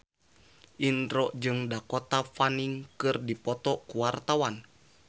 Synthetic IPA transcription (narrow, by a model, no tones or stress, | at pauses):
ʔinɾɔʔd͡ʒɨŋdakɔt̪afaniŋkɨrdipɔt̪ɔkuwart̪awan